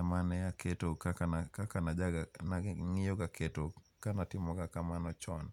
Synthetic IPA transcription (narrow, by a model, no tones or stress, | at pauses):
amanɛaketokakankakanad͡ʒaɡanaŋɪjoɡakʰeto | kanatɪmɔɡakamanɔt͡ʃɔn